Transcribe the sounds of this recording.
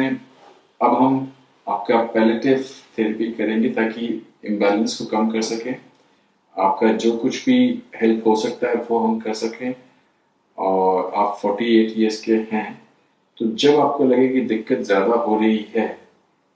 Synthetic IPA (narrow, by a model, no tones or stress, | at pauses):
ẽ | ɐbɦɐm | aːp̚kapɛːlɪʈɪzt̪ʰeɾəpikɐɾẽːɡet̪aːkiɪ̃mbɛːlə̃nskokɐmkɐɾsɐkẽː | a̰ːp̚kad͡ʒoːkʊt͡ʃʰbʱihɛlpʰɦosɐk̚t̪aɦɛʋoɦɐmkɐɾsɐkẽː | ɔːɾa̰ːpfɔːɾʈieːʈieskeɦɛ̃ | t̪od͡ʒɐbaːp̚kolɐɡẽkid̪ɪkːət̪zjaːd̪aɦoːɾɐɦiɦɛː